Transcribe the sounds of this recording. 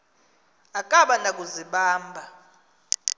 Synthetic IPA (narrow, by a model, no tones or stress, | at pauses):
akʼaɓanak̬ʼuziɓaːmbʱa